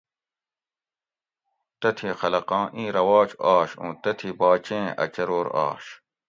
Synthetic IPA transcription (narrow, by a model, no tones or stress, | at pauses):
t̪ɐt̪ʰixɐlɐqɑ̃ːʔĩːɾɐwaːt͡ɕaːɕṵ̃ːt̪ɐt̪ʰibaːt͡ɕẽːɐ̰t͡ɕɐɾoːɾa̰ːɕ